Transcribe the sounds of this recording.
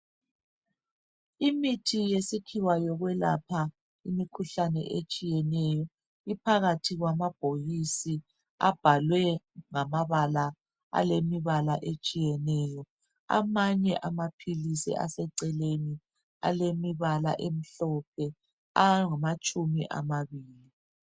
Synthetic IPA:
imitʰijesikʰiwajɔɣwɛla̰pʰa | imikʰuɬanɛ̰ʔet͡ʃʼijɛnɛjɔ | ipʰaɣatʰiɣwamab̥ʱojisi | a̰b̥ʱalwɛŋamaβala | a̰lemiβalaʔet͡ʃʼijɛnɛːjɔ | a̰maɲɛʔamapʰilisḭʔa̰sɛǀɛleni | a̰lemiβala̰ʔem̩ɬɔp̚ʰɛ | aŋamat͡ʃʼumḭʔa̰maβiːli

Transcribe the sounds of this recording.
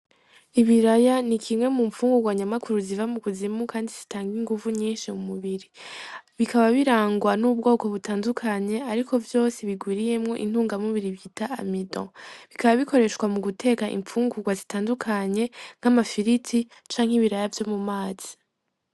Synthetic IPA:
iβiɾajanikʰimŋe̞mumfuːŋɡuɡwaɲamakuɾuzivamukuzimukʰaːndiz̥i̥taːŋɡiŋɡuvuɲiːnʃiumuβiɾi | βikaβaβiɾaːŋɡwanub̚ɡo̞ːko̞βutaːndukʰaɲe̞aɾikʰo̞vjo̞ːseβiɡwiːɾije̞mŋo̞ʔḭn̥huːŋɡamuβiɾiβjitaa̰midõ̰βikaβaβiko̞ɾe̞ʃwamuɡutʰe̞ːkaʔḭɱfuːŋɡuɡwazitaːndukʰaɲe̞ŋ̥amafiɾitʰi | t͡ʃaːŋ̥hiβiɾajavjo̞mumaːz̥i̥

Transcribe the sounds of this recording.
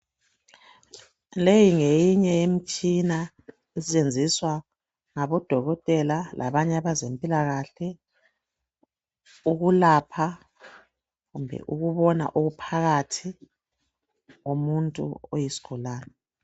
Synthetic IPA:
lejiŋejiɲɛem̩t͡ʃʼina | isɛt͡ʃʼend͡zʱiswa | ŋaβɔd̥ʱɔɣɔtʼɛlalʔa̰βaɲaβazempʼilaɣaɬɛ | uɣulapʰa | ɣumbʱɛ̰ʔuɣuβɔna̰ʔoɣupʰaɣatʰi | ɣomuntʼṵojisi̥ɡ̥ʱulaːna

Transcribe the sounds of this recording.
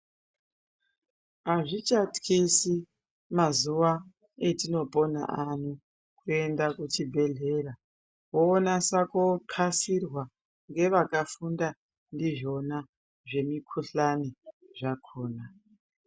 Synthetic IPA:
aʐit͡ʃatkisi | mazuʋa | etino̞po̞na̰ʔanu | kue̞ndakut͡ʃibʱe̞ɮe̞ɾa | woːnasakoǃʰasirwa | ŋɡe̞ʋakafunda | ndiʐo̞na | ʐe̞mikʰuɬaniʐakʰoːna

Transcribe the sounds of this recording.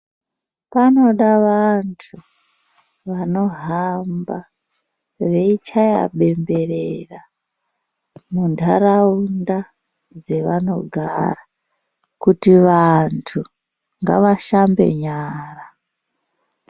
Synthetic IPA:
pano̞ɗaʋantʰu | ʋano̞ɦamba | ʋeit͡ʃaja̰ɓe̞mbe̞rera | mundʱaraunda | d͡ze̞ʋano̞̰ɡʱa̰ra | kutiʋantʰu | ŋɡa̰ʋaʃambe̞̰ɲaːra

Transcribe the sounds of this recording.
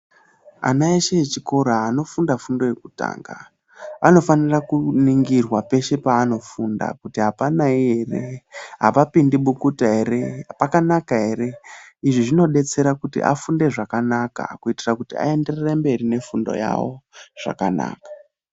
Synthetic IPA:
a̰naeʃeet͡ʃiko̞ɾaːno̞fundafundo̞je̞kuta̰ːŋɡa | ano̞fanirakuniŋɡirwape̞ʃe̞paːno̞funda̰kutiɦapanaiɦe̞re̞ɦapapindiɓukutaeɾepakanakaɦe̞ɾe̞iʐiʐino̞ɗe̞t͡se̞ɾakutḭʔa̰funde̞ʐakanaka̰kuitirakutia̰e̞nde̞rerembe̞rine̞fundo̞̰ja̰wo̰ʐ̥a̰ka̰na̰ːkḁ

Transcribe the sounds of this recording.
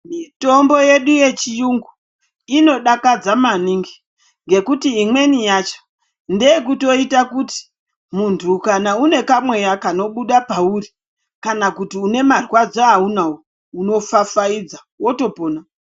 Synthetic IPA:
mito̞mbo̞je̞ɗuje̞t͡ʃijuŋɡu | ino̞ɗakad͡zamaniŋɡi | ŋɡe̞kutiimwe̞nijat͡ʃo̥ | ndeekuto̞itakuti̥ | muntʰukanaune̞kamwe̞jakano̞ɓuɗapauri | kanakutiune̞marwad͡zoaunawo | uno̞fafaid͡za | wo̞to̞poːna

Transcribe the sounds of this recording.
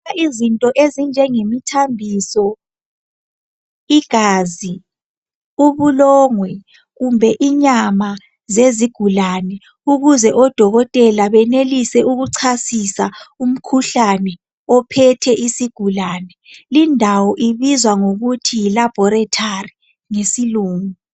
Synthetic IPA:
aizintʼɔʔezind͡ʒʱɛŋemitʰambʱisɔ | iɡ̥ʱaːzi | uβulɔːŋwɛ | ɣumbʱɛʔiɲama | zeziɡ̥ʱulanɛ | uɣuzɛʔɔd̥ʱɔɣɔtʼɛlaβɛnelisɛʔuɣuǀʰasisaum̩kʰuɬanɛ | ɔpʰɛtʰɛʔisiɡ̥ʱulaːnɛlindʱawɔʔiβizwaŋoɣutʰijilab̥ʱɔɾɛtʰari | ŋesiluːŋu

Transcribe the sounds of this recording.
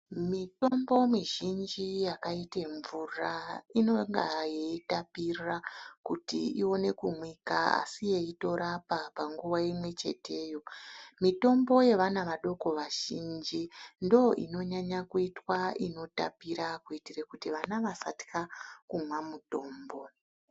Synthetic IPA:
mito̞mbo̞miʒind͡ʒijakaiteɱvurainoŋɡajeitapirakutḭiwo̞ne̞kumwikaa̰sije̞ito̞ɾapapaŋɡuʋaimwe̞t͡ʃe̞̰tʰe̞ːjo̞mito̞mbo̞je̞ʋanaʋaɗo̞ko̞ʋaʒind͡ʒindo̞ʔḭno̞ɲaɲakuitwaino̞ta̰piɾakuitirekutiʋanaʋasati̥kakumwamuto̞ːmbo̞

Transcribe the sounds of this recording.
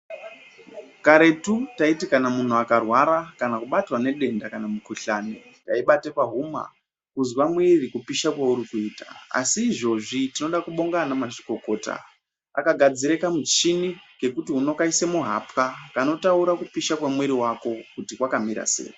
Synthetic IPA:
kaɾe̞tutaitikanamun̤uakarwaɾakanakuɓatrwane̞ɗe̞ndakanamukuɬane | taiɓatepaɦuma̰ | kuzwamwirikupiʃakwauɾikuiːtḁ̰a̰siːʐo̞ʐitino̞ɗakuɓo̞ŋɡanamaʐi̥ko̞ko̞ːta̰ | a̰kaɡʱad͡ziɾe̞kamut͡ʃinike̞kutiɦuno̞kaisemuɦa̰pkakano̞tauɾakupiʃakwamweɾiwako̞kutikwakamiɾa̰sḛːi

